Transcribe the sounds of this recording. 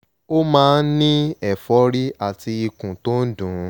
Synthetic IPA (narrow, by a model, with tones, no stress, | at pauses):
o˦mãː˦˧˦n̩˦nĩ˦ɛ˦˨fɔ˨˦ɾi˦a˨tʰi˧i˧kũ˨to˦n̩˦dũ˨˦